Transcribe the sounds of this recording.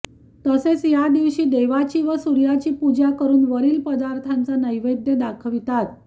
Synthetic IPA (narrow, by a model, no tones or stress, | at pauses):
t̪əset͡sjad̪iʋɕiːd̪eʋat͡ɕiːʋəsuɾjat͡ɕiːpud͡ʑakəɾuːnʋəɾiːlpəd̪aɾt̪ʰant͡sanəjʋəjd̪jəd̪akʰəʋit̪at̪